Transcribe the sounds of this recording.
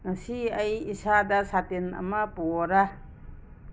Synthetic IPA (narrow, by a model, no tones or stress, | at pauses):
ŋɐsiɐjisadasatenɐ̰mapuɔɾa